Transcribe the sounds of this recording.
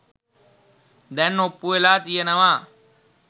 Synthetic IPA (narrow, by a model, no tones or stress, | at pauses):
d̪ɛnːopːuelaːt̪ijənɐʋaː